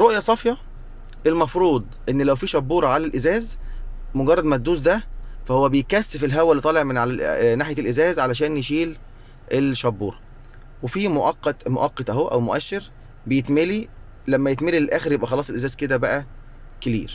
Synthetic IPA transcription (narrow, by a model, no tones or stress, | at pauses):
ɾˤoʔjɑsˤɑfjɑ | ʔelmɑfɾuːd̪ˤʔenːlæwfiːʃɑbːuːɾˤɑʕalælʔezæːz | moɡɑrˤːɑd̪mæd̪ːuːzd̪æfæhowːæbejekæsːfelɦæwːælːit̪ˤɑːleʕmenʕalælnaħjælʔezæːzʕalæʃ̬æːnjeʃiːl | ʔelʃɑbːuːɾˤɑ | wefiːmoʔɑqːɑt̪mo̰ʔɑqːɑt̪ˤʔæhowːæʔæwmoʔæʃːeɾ | bejet̪meli | læmːæjet̪melilʔæːxeɾjebʔæxɑlɑːsˤelʔezæːzked̪æbæʔæ | kelḭːɾ